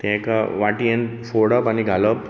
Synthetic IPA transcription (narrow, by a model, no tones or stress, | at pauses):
t̪ɛ̃kaʋaʈiẽnfoɽəpaniɡʱaləp